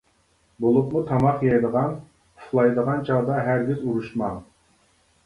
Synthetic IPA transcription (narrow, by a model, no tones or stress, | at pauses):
bolˠup̚mut̪ʰɑmɑqjɑjd̪əʁɑn | uflˠɑjd̪əʁɑnt͡ʃʰɑʁd̪ɑɦæɾɡʲizuɾuʃmɑŋ